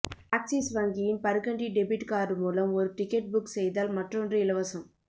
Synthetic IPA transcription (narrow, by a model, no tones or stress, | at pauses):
aːksisʋɐŋɡɪjɪnpɐɾɯkɐɳɖiɖɛbɪʈkaːɾɯmuːlɐmɔɾɯʈɪkːɐʈ̚bʊksɛjðaːlmɐʈrɔndrɯɪlɐʋɐsɐm